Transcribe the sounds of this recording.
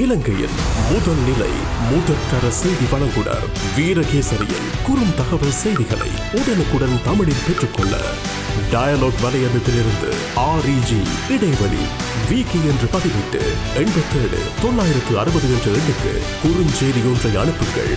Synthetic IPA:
ɪlɐŋɡɐjɪ̰lmʊðɐlnɪlɐ̰ɪ | mʊðɐkːɐɾɐsɛjðiʋɐɭɐŋɡɯɽɐ̰ɾ | ʋiːɾɐɣeːsɐɾɪ̰jɪ̰lkʊɾɯmt̪ɐɣɐʋɐlsɛjðɪɣɐɭɐ̰ɪ | ʊðɐnɯkːɯɽɐlt̪ɐmɪɭɪlpɛʈrɯkːɔɭːɐ̰ | ɖɐjɐloːɡʋɐlɐjɐmɪt̪ːɪlɪɾɯnd̪ɯ̰ | aːɾiːd͡ʒi | ɪɽɐɪʋɐɭḭ | ʋiːkiɛndrɯpɐðɪʋɪʈːɯ̰ | ɛɳbɐt̪ːeːɽɯ̰t̪ɔnːaːjɪɾɐt̪ːɯɐɾɯbɐðɯɛndrɯɛɳɖɯkːɯ̰ | kʊɾɯɲd͡ʒeːðɪjoːndrɐɪɐ̰ɳɯpːɯɣɐ̰ɭ

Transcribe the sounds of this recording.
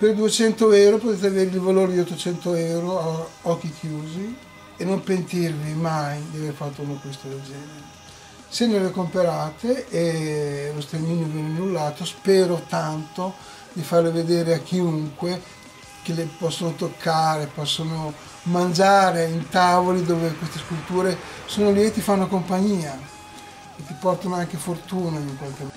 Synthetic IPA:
perd̪uet͡ʃɛnt̪oɛwɾopot̪eːt̪eaveːɾlivaloːɾid̪iot̪ːot͡ʃɛnt̪oɛwɾoaɔkːikʰjuːzi | enːompent̪irvimajd̪iaverfat̪ːounokist̪od̪eld͡ʒɛːneɾe | senːelekompeɾaːt̪eː | lost̪ɾeniːnovjɛneanːulːaːt̪ospɛːɾot̪ant̪o | d̪ifarleved̪eːɾeakːiuŋkwe | k̟elepɔsːonot̪okʰːaːɾepɔsːono | mand͡ʒaːɾeint̪aːvolid̪oːvekwest̪eskult̪uːɾesoːnoljet̪ːefanːokompaɲːiːa | et̪ːipɔrt̪anoaŋkefort̪uːnaiŋkwalke

